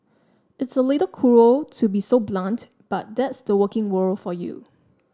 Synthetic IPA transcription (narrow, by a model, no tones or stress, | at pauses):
ɪtsəleɾəkʰuɹotʰubisoblãnt | b̥at̚d̪ɛtsdəwəkɪ̃ŋwəlfɔjṵ